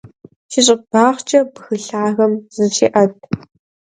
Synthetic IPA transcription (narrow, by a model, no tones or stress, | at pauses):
ʃiɕ̬ʼɪb̥aːχʷt͡ʃʼɐbɨxɨɬaːɣɐmz̥ɨʃiːʔɐt̚